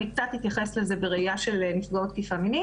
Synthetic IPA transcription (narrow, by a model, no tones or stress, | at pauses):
ikt͡sat̪it̪jaχe̞slezebeʁeijaʃe̞lnifɡao̞t̪̚kifamini